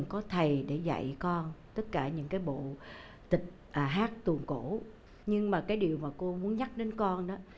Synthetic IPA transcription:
ŋkɔ˨˦t̪ʰə˨˩jɗe˧˩za̰˧˨jkɔ˧nt̪ə˦˥t̚kaː˧˩ɲɨ̰˧˥ŋkaː˨˦jɓo̰˧˨ | t̪ï˨˩k̟̚ʔaː˨˩ɦaː˦˥k̚t̪ɨ˨˩əŋko˧˩ | ɲɨ˧ŋmaː˨˩kaː˨˦jɗi˨˩əwmaː˨˩ko˧mu˨˦ənɲa˦˥k̚ɗe˨˦nkɔ˧nɗɔ˨˦

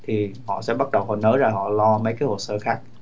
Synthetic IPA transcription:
t̪ʰi˨˩hɔ̰˧˨sɛ̰˧˥ɓa˦˥t̚ɗə˨˩whə˨˩nəː˨˦zaː˧˩ɦɔ̰˧˨lɔ˧mə˨˦jkaː˨˦jho˨˩səː˧xaː˦˥k̚

